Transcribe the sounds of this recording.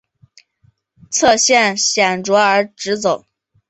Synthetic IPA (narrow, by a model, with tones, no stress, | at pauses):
t͡sʰɤ˥˧ɕjɛ˥˩nɕjɛ˨˩nʈ͡ʂwɔ˧˥ə˞˧˥ʈ͡ʂɻ̩˧˥t͡so˨˩˦